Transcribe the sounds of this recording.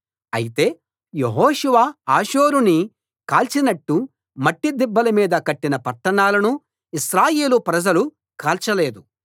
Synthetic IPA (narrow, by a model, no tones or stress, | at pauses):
ɐ̰jit̪e̞ː | jeɦoːʃuʋaaːʃoːɾuni | kaːlt͡ʃinɐʈːu | mɐʈːid̪ibːɐlɐmiːd̪ɐkɐʈːinɐpɐʈːɐɳaːlɐnu | iʃɾaːjeːlupɾɐd͡ʒɐlu | kaːlt͡ʃɐle̞ːd̪u